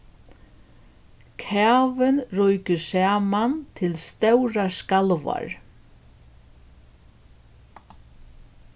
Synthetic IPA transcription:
kʰaːvɪnrɔjkɪsaːmant̪ʰɪlst̪œwɾaskalva̰ɹ

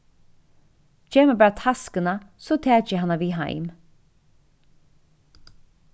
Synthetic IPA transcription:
t͡ʃʰeːməbæːɹat̪ʰaskənasɔt̪ʰɛːt͡ʃɪɦanːaviːɦa̰jm

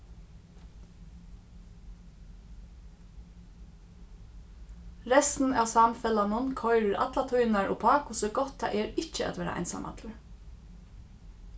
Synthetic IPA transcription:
ɹɛst̪n̩æ̰wsamfɛlanʊnkʰɔjɾɪɾʔa̰t̪lat̪ʰujnaɹʔɔ̰pʰɑːkʊsəɡɔht̪ʰːa̰ʔɛɾɪt͡ʃəʔa̰t̪ʋɛːɾa̰ʔɑ̰jnsa̰mʔa̰t̪lʏɹ

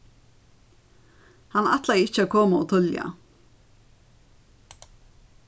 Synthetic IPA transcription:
hana̰t̪lajɪcəakʰoːmaɔ̰ːt̪ʰʏlja̰

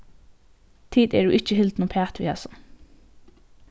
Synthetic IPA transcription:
t̪ʰiːd̪ɛ̰ɖʉːʔɪt͡ʃəɦɪld̪nuːpʰæːt̪ʋḭːhɛsən

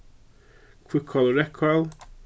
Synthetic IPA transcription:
kʰw̥ɪkʰːɔlˠɹɛkʰɔl

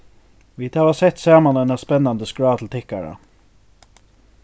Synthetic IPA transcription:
ʋɪt̪ɑʋɑsɛt̪seːmɑnɛnɑspɛnːɑnd̪əskɹɑːt̪ʰl̩t̪ʰɪkɑɹə̰

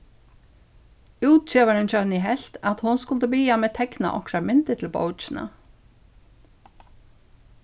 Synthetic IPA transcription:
uːt̪̚t͡ɕɛːvaɾɪnt͡ɕœniɦɛɬt̪at̪hʊnskʊlt̪əbiːamɛːt̪ʰɛkna̰ʔɔkɾaɾmɪnt̪ɪt̪ʰɪlpo̰wt͡ʃɪna̰

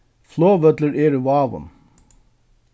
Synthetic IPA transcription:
floːʋœd̪ləɾʔeːɾəʋɑːʋə̰n

